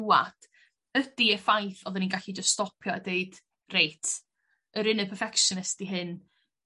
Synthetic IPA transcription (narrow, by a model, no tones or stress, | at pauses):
wa̰d̥ | ədiəfajθɔðəninɡaɬid͡ʒəststɔpʰjɔədeɨd̥ | rejtʰ | əɾɨnəpʰərfɛkʃɔnɪstiɦɨn